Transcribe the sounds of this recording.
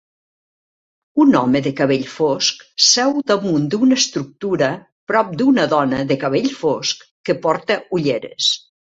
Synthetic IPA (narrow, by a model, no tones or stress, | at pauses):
unɔməðəkɐβ̞eʎfosksɛwd̪əmund̪unəst̪ɾuk̚t̪uɾə | pɾɔp̚d̪unəðɔnəðəkɐβ̞eʎfoskkːəpɔɾt̪əuʎeɾḛs